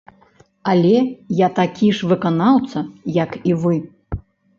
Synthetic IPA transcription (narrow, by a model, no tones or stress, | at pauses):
alʲɛjat̪akʲiʂvɨkanawt̪sɐjɐkivɨ